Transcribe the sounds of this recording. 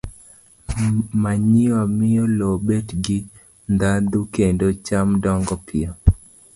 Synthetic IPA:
maɲiwamɪɔlɔbɛtɡɪ | nd̪ad̪ukendot͡ʃamdɔŋɡɔpʰɪɔ

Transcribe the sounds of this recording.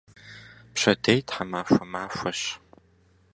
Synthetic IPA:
pɕɐdejtħamaːfʷɐmaːfʷɐɕ

